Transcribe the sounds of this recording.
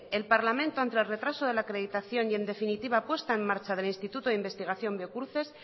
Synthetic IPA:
elpaɾlamẽnt̪oant̪elre̞t̪ɾasoð̞e̞lakɾe̞ðit̪aθjo̞nje̞nd̪e̞finit̪iβ̞apwe̞st̪aemːaɾt͡ʃað̞e̞linst̪it̪ut̪oðimbe̞st̪iɣ̞aθjõ̞mbjo̞kuθe̞s

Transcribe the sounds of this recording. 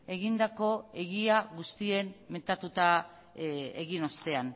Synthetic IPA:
e̞ɣind̪ako̞e̞ɣiaɣust̪ie̞nme̞nt̪at̪ut̪a | eɣino̞st̪e̞an

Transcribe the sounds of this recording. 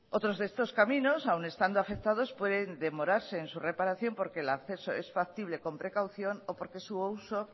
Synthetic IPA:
o̞t̪ɾo̞zðeest̪o̞skamĩno̞sawne̞st̪and̪oafe̞k̚t̪að̞o̞spwe̞ðe̞nd̪e̞mo̞ɾaɾse̞ːnsure̞paɾaθjo̞mpo̞ɾkelakθe̞so̞̰e̞sfak̚t̪iβle̞ko̞mpɾe̞kawθjo̞nopo̞ɾke̞suowso̞

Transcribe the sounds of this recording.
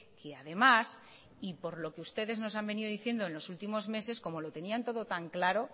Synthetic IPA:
kʰeaðe̞mas | ipo̞ɾlo̞ke̞ust̪e̞ðe̞zno̞s̬ambe̞niðoðiθje̞nd̪oe̞nlosult̪imo̞zme̞se̞sko̞mo̞lo̞t̪e̞niant̪o̞ðo̞t̪aŋklaɾo̞

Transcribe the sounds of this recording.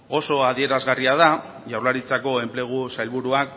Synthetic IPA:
o̞so̞aðie̞ɾazɣariað̞a | ʝawɾlaɾit͡sako̞e̞mple̞ɣ̞usajlβuɾuak

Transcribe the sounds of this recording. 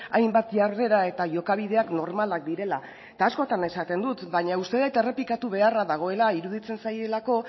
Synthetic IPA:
ajmbat̪ʝarre̞ɾae̞t̪aʝo̞kaβ̞iðe̞akno̞ɾmalak̚d̪iɾe̞la | et̪aːsko̞t̪ane̞sat̪e̞nd̪ut̪baɲaust̪e̞ðejt̪e̞re̞plikat̪uβ̞e̞araðaɣ̞o̞e̞laiɾuðit͡se̞nsaje̞lako̞

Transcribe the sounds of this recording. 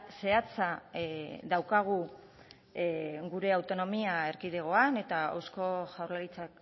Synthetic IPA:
se̞at͡sa | ðawkaɣ̞u | ɡuɾe̞awt̪o̞no̞miae̞ɾkiðe̞ɣ̞o̞ane̞t̪aa̰wsko̞ʝawrlalit͡sak

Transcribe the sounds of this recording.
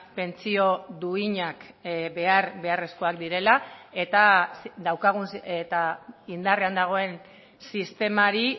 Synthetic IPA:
pe̞nt͡sio̞d̪uiɲakbe̞aɾβe̞are̞sko̞akd̪iɾe̞lae̞t̪ad̪awkaɣ̞unset̪aind̪are̞and̪aɣ̞o̞e̞n | sist̪e̞maɾi

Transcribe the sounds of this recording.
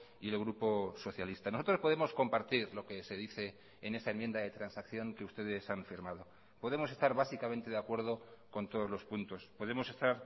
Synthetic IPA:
ielɣɾupo̞so̞θjalist̪ano̞so̞t̪ɾo̞spo̞ð̞e̞mo̞sko̞mpaɾt̪iɾlo̞ke̞se̞ðiθe̞ː | ne̞sae̞mje̞nd̪aðe̞t̪ɾansakθjo̞ŋke̞ust̪e̞ðe̞sanfiɾmað̞o̞ | po̞ðe̞mo̞se̞st̪aɾβasikament̪eðeakwe̞ɾð̞o̞ko̞nt̪o̞ð̞ozlo̞spunt̪o̞spo̞ð̞emo̞se̞st̪aɾ

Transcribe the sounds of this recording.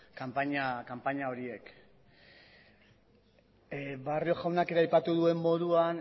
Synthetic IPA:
kampaɲakampaɲao̞ɾie̞k | βario̞ʝawnake̞ɾeajpat̪uðue̞mːo̞ðuan

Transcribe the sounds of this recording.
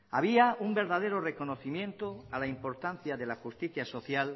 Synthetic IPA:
aβiaumbe̞ɾðað̞e̞ɾore̞ko̞noθimjẽ̞nt̪oalaimpo̞ɾt̪anθjaðe̞laxust̪iθjaso̞θjal

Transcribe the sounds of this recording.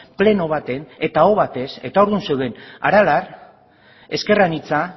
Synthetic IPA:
ple̞no̞βat̪e̞ne̞t̪aoβat̪e̞se̞̰t̪aoɾðunsewðe̞na̰ɾalar | e̞ske̞ranit͡sa

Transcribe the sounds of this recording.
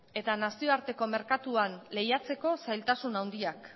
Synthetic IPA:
e̞t̪anasio̞aɾt̪e̞ko̞me̞ɾkat̪uanle̞jat͡se̞ko̞sajlt̪asunawnd̪iak

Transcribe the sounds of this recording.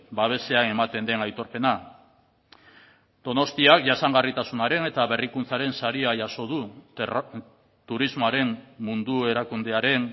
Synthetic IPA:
baβ̞e̞se̞aŋe̞mat̪e̞nd̪e̞najt̪o̞ɾpe̞na | d̪̥o̞no̞st̪iakʝasaŋɡarit̪asunaɾe̞ne̞t̪aβe̞rikunt͡saɾe̞nsaɾiajaso̞ð̞u | t̪uɾizmoaɾe̞mmund̪ue̞ɾakund̪e̞aɾe̞n

